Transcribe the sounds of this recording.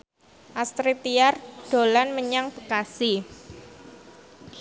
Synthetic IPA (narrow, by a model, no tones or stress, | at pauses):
ʔast̪ɾit̪iarɖ̥o̤lanməɲaŋb̥əkasi